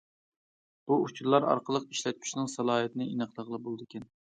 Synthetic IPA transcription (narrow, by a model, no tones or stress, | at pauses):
b̥uut͡ʃʰuɾlˠɑɾɑ̰ɾqəlˠəqiʃlɛt̪̚pʰy̥ʃnɪŋsɑlˠɑːɦɨt̪ʰɪnɨinəχlˠəʁlˠəbolˠd̪ɨkʲʰɛn